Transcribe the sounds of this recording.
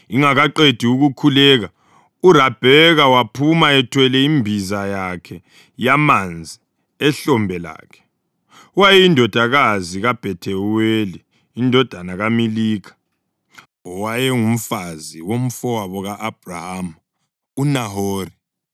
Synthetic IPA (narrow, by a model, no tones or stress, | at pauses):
iŋaɣaǃed̥ʱiuɣukʰulɛːɣa | urab̥ʱɛɣawapʰumaɛtʰwɛlɛimbʱizajakʰɛ | jamand͡zʱi | ɛɬɔmbʱɛla̰ːkʰɛ̥ | wajɛindʱɔd̥ʱaɣaziɣab̥ʱɛtʰɛweliː | ndʱɔd̥ʱanaɣamiliːkʰḁ | ɔwajɛŋum̩faziwom̩fɔwaβɔɣaʔːb̥̚ʱraham | unaɦoːri